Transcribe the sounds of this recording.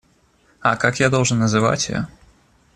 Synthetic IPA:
ɐkakjad̪ɔlˠʐənːɐzɨva̰t͡sʲja̰

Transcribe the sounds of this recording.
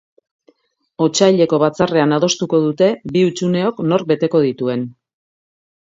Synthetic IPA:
o̞t͡ʃajʎe̞ko̞β̞at͡sare̞anað̞o̞st̪uko̞ðut̪e̞biut͡ʃune̞o̞kno̞ɾbe̞t̪e̞ko̞ð̞it̪ue̞n

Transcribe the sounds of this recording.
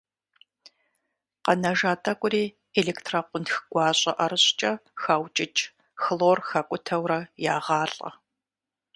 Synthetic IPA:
qɐnɐʒaːtʼɐkʷʼʊɾiː | eɮeːktʰraqʷʊntxɡ̥ʷɑːɕʼɐʔɐɾɨɕʼt͡ʃʼɐxaːwt͡ʃʼɪt͡ʃʼ | xloːrxɐkʷʼʊtʰɐwrɐjaːʁɑːɬʼɐ̰

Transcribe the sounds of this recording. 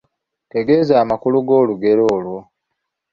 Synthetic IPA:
te̞ɡe̞zaːmakuluɡo̞ːluɡe̞ɾoːlwo̞

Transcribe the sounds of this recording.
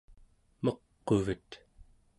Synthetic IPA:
mʌqːovət̪

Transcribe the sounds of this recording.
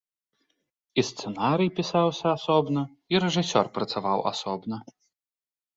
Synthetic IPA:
ist̪sɛnaɾɨjpʲisawsʲɐasɔbnɐ | iɾɛʐɨsʲɔrpɾɐt̪savawʔa̰sɔbnɐ

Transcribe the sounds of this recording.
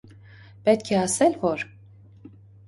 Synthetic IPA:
pɛt̪̚kʰɛasɛlvɔɾ

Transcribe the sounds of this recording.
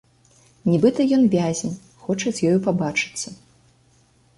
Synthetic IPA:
nʲibɨt̪ɐjɔnvʲazʲɛnʲ | xɔt͡ʂɐt͡sʲjɔjupabat͡ʂɨ̥t͡sʲːɐ

